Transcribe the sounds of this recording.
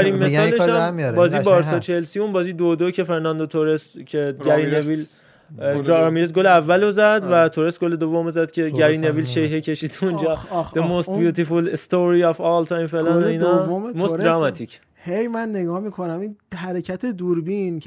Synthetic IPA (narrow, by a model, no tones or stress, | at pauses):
d̪æɾinmesɒːleʃæmmbɒːzibɒɾsɒːt͡ʃʰehelsiunbɒːzid̪od̪ocʰe̞feɾnænd̪ot̪ʰoɾescʲʰeɡæɾinevil | ɾmiʃed̪̚ɡoleævːælozæd̪væt̪ʰoɾesɡole̞d̪ovːomozæd̪̥cʰe̞ɟæɾineviːlʃejɦecʰe̞ʃiːd̪und͡ʒɒːd̥̪emost̪̚bjuːt̪ʰefulest̪oɾiɒfɒlt̪ʰɑːjmfelɒnoinɒmost̪ɾɒmɑt̪ʰicʰ | hejmænːeɡɒːmikʰonæminhæɾecʰæt̪ʰed̪uɾbin